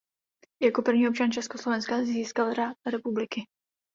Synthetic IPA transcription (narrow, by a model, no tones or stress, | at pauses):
jako̞pr̩vɲiːopt͡ʃant͡ʃɛskoslovɛnskazziːskalɾat̪ɾɛpublɪkɪ